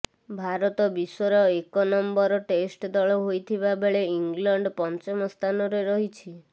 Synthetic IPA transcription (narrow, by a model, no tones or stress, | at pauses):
bʱaɾɔt̪ɔbisɔɾɔekɔnɔmbɔɾɔʈesʈd̪ɔɭɔɦojt̪ʰibabeɭeiŋɡlɔɳɖpɔnt͡ʃɔmɔst̪ʰanɔɾeɾɔɦit͡ʃʰi